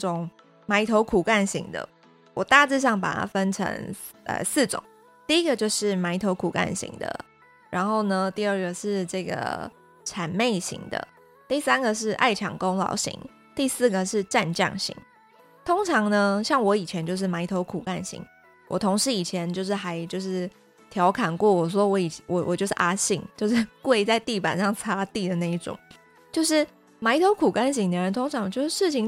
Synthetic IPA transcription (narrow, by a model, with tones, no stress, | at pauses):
ʊ˨˩ŋ | ma˧˥ɪt̪ʰo˧˥ʊkʰu˨˩ka˥˩nɕi˧˥ŋd̪ə̰˧ | wʔɔ˨˩t̪a˥˧ʈ͡ʂ̩˥˧ɕ̬jɑ˥˩ŋp̬a̰˨˩t̪ʰa̰˥fə˦˥nʈ͡ʂʰə̰˧˥ŋ | ə̰˧s̩˥˩ʈ͡ʂʊ̰˨˩˦ŋ | t̪i˥˩i˦˥ɡə˨t͡ɕjo˥˧ʊʂɻ̩˥˩ma˧˥ɪt̪ʰo˧˥ʊkʰu˨˩ka̰˥˩nɕḭ˧˥ŋd̪ə̰˧ | ɻʔa˧˥nxo˥˩ʊnə˧t̪i˥˧ə˥˩ɡə˩ʂɻ̩˥˧ʈ͡ʂɤ˥˩ɡə̰˩ | ʈ͡ʂʰa˨˩nme˥˩ɪɕḭ˧˥ŋd̪ə̰˧ | t̪i˥˩sa˥nɡə˨ʂ̬ɻ̩˥˧ʔa̰˥˩ɪʈ͡ʂʰɑ˨˩ŋko˥ŋlɑ̰˨˥ʊɕḭ˧˥ŋ | t̪i˥˧sɹ̩˥˩ɡə˨ʂɻ̩˥˧ʈ͡ʂa˥˧nt͡ɕjɑ̰˥˩ŋɕḭ˧˥˦ŋ | t̪ʰo˥ŋʈ͡ʂʰɑ˧˥ŋnə˧ɕjɑ˥˩ŋwɔ˧˥i˨˩t͡ɕʰjɛ˧˦nt͡ɕjʊʂ̬̩˥˩ma˧˥ɪt̪ʰo˧˥ʊkʰu˨˩ka˥˩nɕḭ˧˥ŋ | wʔɔ̰˨˩t̪ʰo˧˥ŋʂɻ̩˧˥i˨˩t͡ɕʰjɛ˧˦nt͡ɕjo˥˧ʊʂɻ̩˥˩xa˧˥ɪt͡ɕjo˥˧ʊʂɻ̩˥˩ | t̪ʰjɑ˧˥ʊkʰa˨˩nkwɔ˥˩wɔ˨˩s̬wɔ˦˥wɔ˧˥i˨˩wɔ˨˩wɔ̰˨˩t͡ɕjo˥˧ʊʂɻ̩˥˩ʔa˥ɕi˥˩ŋt͡ɕjo˥˧ʊʂɻ̩˥˧kwe˥˧ɪt͡sa˥˧ɪt̪i˥˩pa̰˨˩nʂɑ˥˩ŋt͡sʰa˥t̪i˥˩d̪ə˩na˥˧i˥˩ʈ͡ʂʊ̰˨˩˦ŋ | t͡ɕjo˥˧ʊʂɻ̩˥˩ | ma˧˥ɪt̪ʰo˧˥ʊkʰu˨˩ka˥nɕ̬i˧˥ŋnə˧˥ə˧˦nt̪ʰo˥ŋʈ͡ʂʰɑ˧˥ŋt͡ɕjo˥˧ʂ̩˥˩ʂɻ̩˥˩t͡ɕʰi˨˩ŋ